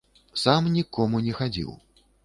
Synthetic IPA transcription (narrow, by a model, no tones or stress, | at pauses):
samnʲikɔmunʲɛxad͡zʲḭw